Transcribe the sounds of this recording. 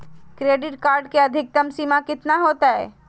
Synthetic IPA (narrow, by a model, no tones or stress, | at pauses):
kɾeːɖɪʈkaːɾɖkeəd̪ʱɪk̚t̪əmsiːmakɪt̪naɦoːt̪aɦɛ̰ː